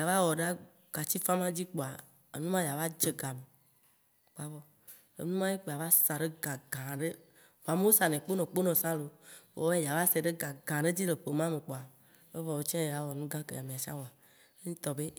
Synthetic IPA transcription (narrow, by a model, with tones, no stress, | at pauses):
ja˨va˦wɔ˨ɖa˦ | ɡ̥a˨t͡ɕi˦fã˦mã˦d͡ʑi˦k͡po˨a˨ | ḛ˨nũ˦mã˦ja˨va˦d͡ʒe˨ɡa˨me˨ | k͡pa˨vɔ˦ | ḛ˨nũ˦mã˦je˦k͡pe˨a˨va˦sa˨ɖe˦ɡã˨ɡã˨ɖe˦ | vo˨a˨me˦wo˦sa˨nɛ̃˨k͡po˦nɔ̃˨k͡po˦nɔ̃˨sã˦lo˨wo̰˦e˦ja˨va˦sɛ˨ɖe˦ɡã˨ɡã˨ɖe˦d͡ʑi˦le˨ɸe˨mã˦me˨k͡po˨a˨ | e˦vɔ˨wo˦t͡ʃɛ̃˦e˨ja˨wɔ˨nũ˦ɡã˦kḛ˨ja˨mĩ˨a˨si˦a̰˦wɔ˨a˨ | e˦ɲĩ˦t̪ɔ˨be˦